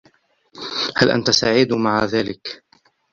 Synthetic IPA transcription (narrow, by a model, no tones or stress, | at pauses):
halʔa̰nt̪asaːʕɪd̪maʕaðaːlɪk